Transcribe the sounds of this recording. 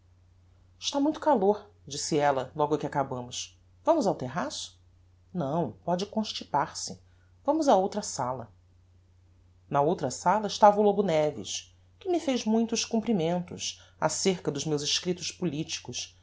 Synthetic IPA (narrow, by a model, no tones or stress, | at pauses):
ɪʃt̪amũj̃t̪ʊ̥kaloɾ | d͡ʒisɪɛlɐlɔɡʊkɪakabɐ̃mʊs | vɐ̃mʊzawt̪eɦasʊ̥ | nɐ̃w̃pɔd͡ʒɪkõʃt͡ʃipaɾsɪ | vɐ̃mʊzaowt̪ɾɐsalɐ̰ | nɐowt̪ɾɐsalɐɪʃt̪avɐulobʊnɛvḭʃ | kɪmɪfejzmũj̃t̪ʊʃkũmpɾimẽnt̪ʊ̰ʃa̰seɾkɐd̪ʊzmewzɪʃkɾit̪ʊʃpulit͡ʃi̥kʊs